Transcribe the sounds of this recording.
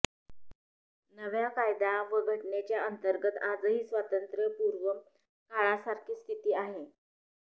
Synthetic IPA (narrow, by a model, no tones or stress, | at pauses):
nəʋjakajd̪aʋəɡʱəʈɳet͡ɕjaənt̪əɾɡət̪ad͡zəɦiːsʋat̪ənt̪ɾəpuɾʋə | kaɭasaɾkʰiːst̪ʰit̪iːaɦe